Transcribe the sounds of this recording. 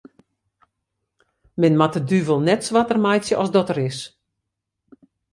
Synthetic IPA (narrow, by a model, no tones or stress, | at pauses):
mɪnmatədyvəlˠnɛtsʋatərmajtsjəʔɔsdɔtəɾɪs